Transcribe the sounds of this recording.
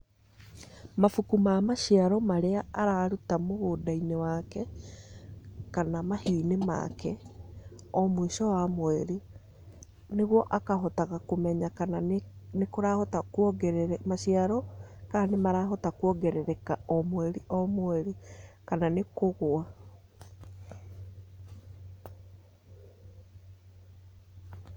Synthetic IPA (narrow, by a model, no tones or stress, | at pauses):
mafukumaːmaʃiaɾɔmaɾeaaɾaːɾutamoɣodainewakɛ | kanamahioinema̰kɛ | ɔmweʃɔwamoɛɾi | neɣwɔʔakaɦɔtaɣakomɛɲakananekoɾahɔtakwɔɡɛɾɛɾɛmaɕiaɾɔkaanemaɾaɦɔtakwɔɡɛɾɛɾɛkaɔmoɛɾiʔɔmoɛɾekananekoɣoa